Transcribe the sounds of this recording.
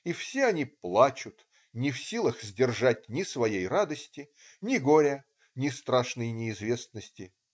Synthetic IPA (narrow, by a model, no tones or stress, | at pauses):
ifsʲeɐnʲiplˠat͡ɕʊt̪ | nʲɪfsʲilˠəxzʲdʲɪrʐatʲnʲɪsvɐjejrad̪əsʲtʲɪ | nʲɪɡoɾʲə | nʲɪst̪ɾaʂnəjnʲɪɪzvʲe̞snəsʲtʲɪ